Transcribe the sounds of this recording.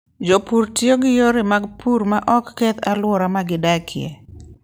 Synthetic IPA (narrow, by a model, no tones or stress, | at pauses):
d͡ʒopuɾtjoɡɪjoɾɪmaɡpuɾmaʔɔkːɛt̪alwɔɾamaɡɪdakʰɪɛ̰